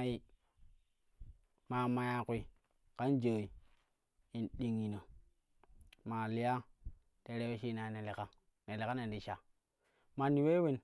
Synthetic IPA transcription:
ji˦ | ma˨ma˨ja˨kʷi˨ | ka˦nd͡ʒo˨i˨ | i˨nɗi˨ŋi˨no˨ | ma˨li˦ja˦ | te˨˦ɾe˦we˦ʃi˦na˨ne˨le˨ka˦ | ne˨le˨ka˦ne˨ndi˨ʃa˨ | ma˨nːi˨we˦we˦n

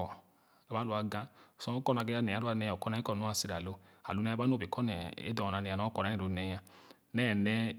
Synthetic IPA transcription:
ɔ˨ | a˨ba˨˦lu˧˦a˧ɡã˧˨sɔ̃˧˦o˦kɔ˦˨na˧ɡɛ˧˦a˧˦nɛ˨a˨˦ɾu˦a˧nɛ˧˨kɔ˦na˧˦i˦kɔ˦˨nu˦a˧si˧ɾa˨lo˨˧ | a̰˨lu˨˧nɛ˧˦a˧ba˦no˦˨bi˨kɔ˦nɛ˨ḛ˦dɔ˨ɔ˨a˨˧nɛ˨a˧nɔ̃˦kɔ˨na˨˦i˨u˨˧˦nɛ˧ja˧ | nɛː˦˨nɛ˧

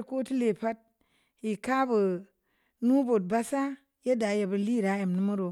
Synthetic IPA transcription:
ɾko˦ti˦le˨pa˦t̚ | ji˨ka˦bu˨ | nu˦bo˨t̚ba˦sa˦ | je˦da˨je˨bu˨li˦ɾa˨˦ja˨mnu˦mu˦ɾo˨

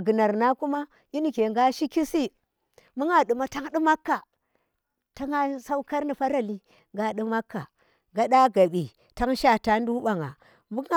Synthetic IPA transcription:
a˨ɡu˨na˨ɾna˦ku˦ma˦ | i˦ni˨ke˨ŋɡa˦ʃi˦ki˦si˦ | mu˦ŋa˨ɗu˨ma˦ta˦ŋɗi˦ma˦kːa˨ | ta˦ŋa˦sa˦u˦ka˦ɾni˨fa˦ɾa˨li˦ | ŋɡa˨ɗi˦ma˦kːa˨ | ŋɡa˦ɗa˦ɡa˨ɓi˨ | ta˦ŋʃa˦ta˨n˦du˦ɓa˨ŋa̰˨ | mu˦ŋ˦

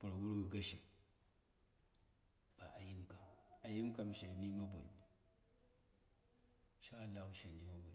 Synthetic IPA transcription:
pu˨ɾo˨ɡu˦ɾu˦ɡu˨ɡa˦ʃe˨ | b̥a̰˨ʔa˨ji˦mka˨ma˨ji˦mka˦m˨ʃe˨ni˦ma˦bo˨ḭ˨b | ʃaː˦˨lːa˦hu˦ʃe˨ni˦ma˦bo˨i˨˦

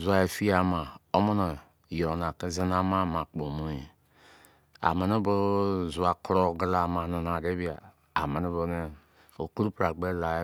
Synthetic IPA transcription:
zu˨a˨e˨fi˦a˨˦ma˨o˦mo˦no˨ | jɔ˨na˨ke˦ze˦na˦ma˦mã˨k͡po˨mo˦e˨ | a̰˨me˨no˦bo˦zu˨a˨klo˦ɡla˨mã˨no˨na˨ɾe˦bi˦a˨ | a˨me˨ne˦bo˦ne˦ | o˨ku˦ɾu˦pɾa˨ɡ͡be˦la˨˦

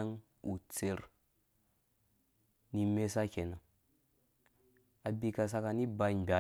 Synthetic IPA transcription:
a˦ŋ | u˨t͡se˨ɾ | ni˦me˦sa˦kʲe˨na˨ | a˨bi˨ka˨s̬a˦ka˨ni˦ba˨i˨m˨bʲa˨

